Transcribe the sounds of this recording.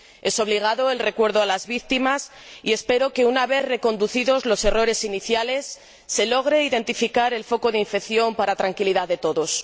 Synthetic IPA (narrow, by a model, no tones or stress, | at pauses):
e̞so̞βliɣ̞aðo̞e̞lre̞kwe̞ɾð̞oalazβikt̪imas | ie̞spe̞ɾo̞ke̞unaβe̞θre̞ko̞nd̪uθiðo̞zlo̞se̞ro̞ɾe̞siniθjale̞sː | e̞lo̞ɣɾe̞iðe̞nt̪ifikaɾe̞lfo̞ko̞ðeiɱfe̞kθjo̞mpaɾat̪ɾaŋkiliðaððe̞t̪o̞ðo̞s